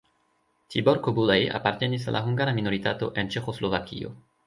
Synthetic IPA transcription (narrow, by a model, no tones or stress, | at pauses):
t̪ʰiboɾkobulaja̰paɾte̞nis̬a̰lʔaɦuŋɡaɾamino̞ɾitato̞ʔe̞nt͡ʃe̞xo̞slo̞vakḭo̞̰